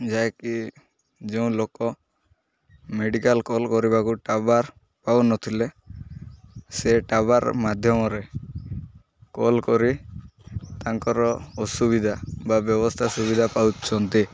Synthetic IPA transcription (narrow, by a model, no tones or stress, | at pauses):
d͡ʒajki | d͡ʒɛũlokɔ | meɖikalkɔlkɔɾibakuʈabaɾ | pawnɔt̪ʰile | seʈabaɾmad̪ʱjɔmɔɾe | kɔlkɔɾi | t̪aŋkɔɾɔɔsubid̪ʱababjɔβɔst̪ʰasubid̪ʱapawt͡ʃʰɔnt̪i